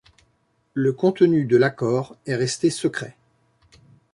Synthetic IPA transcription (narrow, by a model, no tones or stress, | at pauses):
ləkɔ̃t̪ənyd̪əlakɔːʁɛʁɛst̪esəkχɛ